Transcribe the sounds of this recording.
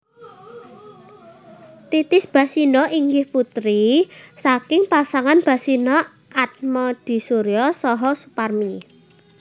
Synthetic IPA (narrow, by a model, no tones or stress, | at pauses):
t̪it̪ɪsb̥a̤sinɔiŋɡɪhput̪ɾisakɪŋpasaŋanb̥a̤sinɔ | ʔat̪̚mɔd̪̥i̤suɾiɔsɔɦɔsuparmi